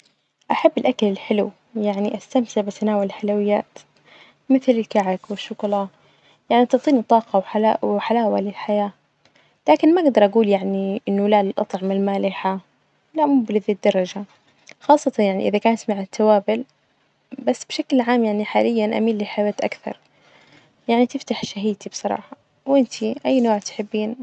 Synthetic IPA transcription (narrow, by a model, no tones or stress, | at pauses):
ʔaħabːɪlʔakalɪlħɪlʊw | jaʕniʔast̪amsɪʕbasʔanaːwalɪlħalawɪjːaːt̪ | mɪθlɪlkaʕakwɪʃːʊɡlɑ | jaʕniʔɑt̪ɑʕt̪ˤiːnit̪ˤːɑːqɑwħalawħalaːwalɪlħajaː | laːkɪnmaʔaɡd̪ɑɾˤʔaɡuːljaʕniʔɪnːʊlalɪlʔɑ̰t̪ˤʕɑmalmaːlɪħa | lamublɪðid̪ːɑɾˤɑd͡ʒa | xɑːsˤːɑt̪ɑnjaʕnḭʔɪðakaːnt̪maʕɪt̪ʰːawaːbɪl | basːbʃaklʕaːmjaʕniħaːlɪjːanʔa̰miːlːiħawaːt̪ʔa̰kθɑ̰ɾˤ | jaʕnit̪ɪft̪aħʃaɦiːt̪ibsˤɑɾˤɑ̰ːħɑ | wʔɪnt̪ʰiʔajːnoːʕt̪ħɪbːiːn